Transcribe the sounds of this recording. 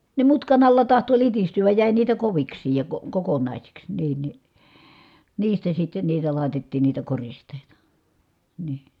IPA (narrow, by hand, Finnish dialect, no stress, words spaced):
ne mutkɑn ɑlːɑ tɑhto litistyæj jæˑi niːtæ koʋiksˑiːj jɑ ko kokonɑˑisiks niːn ni niːstæ sitːen niːtæ lɑˑi̯tetːiːn niːtæ koristˑeˑitɑ niː